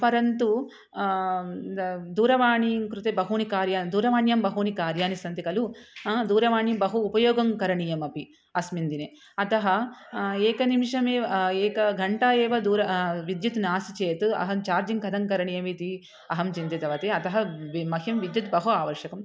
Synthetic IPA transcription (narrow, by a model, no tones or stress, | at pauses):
pɐɾɐnt̪u | d̪uːɾɐʋaːɳikɾut̪ebɐɦuːnikaːɾjaːnd̪uːɾɐʋaːɳjɐmbɐɦuːnikaːɾjaːnisɐnt̪ikɐlud̪uːɾɐʋaːɳjɐbɐɦuːpɐjoːɡɐŋkɐɾɐɳijɐmɐpi | ɐsmind̪ine | ɐt̪ɐɦɐeːkɐnimiʂɐmeːɐeːkɐɡʱɐɳʈaːeːʋɐd̪uːɾɐʋid̪jut̪naːsit͡ʃeːt̪uɐ̰ɦɐmt͡ʃaːɾd͡ʒiŋkɐd̪ʱɐŋkɐɾɐɳijɐmit̪i | ɐɦɐmt͡ʃint̪et̪ɐʋɐt̪eɐt̪ɐɦɐmɐɦjiɐmʋid̪jut̪bɐɦuaːʋɐɾʃɐkɐm